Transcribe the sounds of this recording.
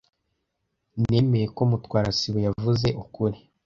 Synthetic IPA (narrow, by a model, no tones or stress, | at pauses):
ne̞ːme̞je̞ko̞mutwaːɾasiβojavuze̞ʔukuɾi